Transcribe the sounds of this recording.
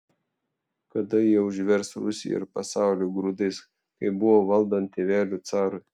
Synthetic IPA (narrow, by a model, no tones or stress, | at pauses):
kɐd̪ɐjiɛʊʒʲʋʲɛɾsɾʊsʲɪ̰jɛ̰ɪ̰ɾpɐsɑˑʊlʲuːɡɾuːd̪ɐɪs | kɐɪbʊʋoːʋɐlˠd̪ɐnt̪ʲeːʋʲæːlʲuːt̪sɑːɾʊɪ